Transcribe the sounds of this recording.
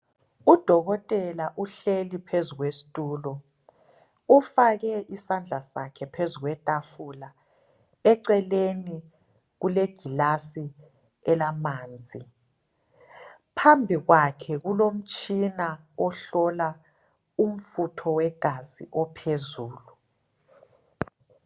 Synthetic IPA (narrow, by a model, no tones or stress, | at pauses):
ud̥ʱɔɣɔtʼɛlaʔuɬelipʰezuɣwesi̥tʼuːlɔ | ufaɣɛʔisand͡ɮʱasa̰kʰɛpʰezuɣwɛtʼafula | ɛǀɛleni | ɣuleɡ̥ʱilasi | ɛlamaːnd͡zʱi | pʰambʱiɣwakʰɛɣulom̩t͡ʃʼʰina | ɔɬɔla | um̩futʰɔwɛɡ̥ʱazḭʔɔpʰezuːlu